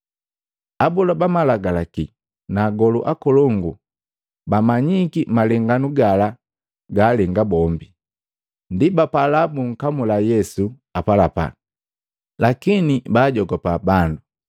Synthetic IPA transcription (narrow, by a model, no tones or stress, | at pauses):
abulabamalaɡalaki | naːɡɔlṵʔakɔlɔŋɡu | bamaɲikimalɛŋɡanuɡala | ɡaːlɛŋɡabɔmbi | ndibapalabuŋ̩kamulajɛsu | apalapa̰ | lakinibaːɟɔɡɔpabandu